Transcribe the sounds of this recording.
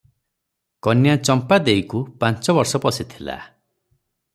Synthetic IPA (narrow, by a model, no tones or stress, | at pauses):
kɔnjat͡ʃɔmpad̪eikupant͡ʃɔbɔɾsɔpɔsit̪ʰila̰